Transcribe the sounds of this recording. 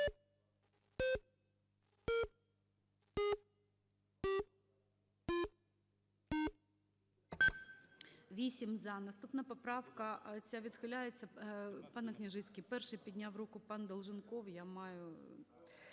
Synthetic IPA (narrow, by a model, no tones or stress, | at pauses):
vʲisʲɪmzanɐst̪upnəjpɐpɾafkəʔsʲavʲɪt̪xɨlʲajɪt̪səpɐnɐknʲɪʐɨsʲkʲɪpɛrʂɨpʲɪdʲnʲavɾukʊpand̪ɐlˠʐɨnkofjamajʊ